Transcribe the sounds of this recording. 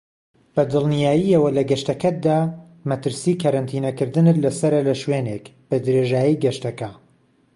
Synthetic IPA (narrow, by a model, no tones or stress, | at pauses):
b̥ɐd̪ɨlˠnijaːjiɐwɐlɐɡɐʃt̪ɐkɐd̪aː | mɐt̪ɨɾsiːkʰɐɾɐnt̪ʰiːnɐkɨɾd̪ɨnɨt̪lɐsɐɾɐlɐʃwenekb̥ɐd̪ɾeʒaːjiɡɐʃt̪ɐkɐ